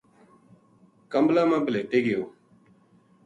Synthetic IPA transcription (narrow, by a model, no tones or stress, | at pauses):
kamblamabəleʈeɡeo